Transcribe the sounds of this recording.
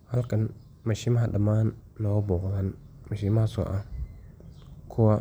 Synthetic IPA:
halkan | maʃimadamanː | obokzanmaʃimaasa̰ʔa | kʰuwa

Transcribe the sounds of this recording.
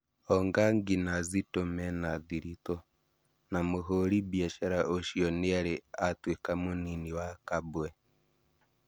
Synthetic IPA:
oŋɡaŋɡinazitomenaðiɾito | namuɦoɾibjeʃeɾaʔoʃioniaɾiatwikamuniniwakabwe

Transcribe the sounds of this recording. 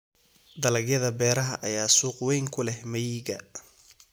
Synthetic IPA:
d̪ɐlɐɡjɐðɐbɛːɾɐɦɐʔɐjaːsuːqwɛjŋkʰʊlɛhmɐjiːɡɐ

